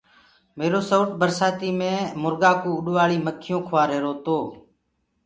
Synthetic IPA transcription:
meːɾoːsoːʈbəɾsaːt̪iːmẽːmʊɾɡaːkũːʊɗʋaːɭiːməkʰːɪjõːkʰʋaːɾɦeːɾoːt̪oː

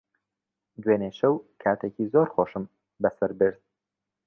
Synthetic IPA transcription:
d̪weːneʃɐwkʰaːt̪ʰeːcizoɾxoːʃɨm | bɐsɐɾbɨɾd̪̚

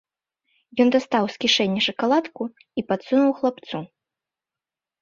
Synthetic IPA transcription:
jɔnd̪ast̪awskʲiʂɛnʲːɛʂɐkalˠat̪ku | ipat̪sunuwxlˠapt̪su

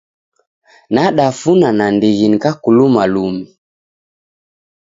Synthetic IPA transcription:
naɗafunanandiɣinikakulumalumi

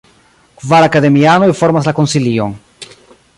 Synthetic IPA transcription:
kuvaɾakaðemianoifoɾmazlakonsilijoŋ

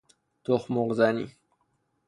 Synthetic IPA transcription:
t̪oχmoʁzanḭ

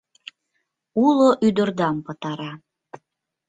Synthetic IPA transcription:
uloʔyd̪ərd̪ɑmpə̆t̪ɑɾɑ

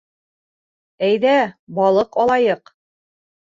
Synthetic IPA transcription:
æjðæbɒlˠɤqɒlˠɑjɤq

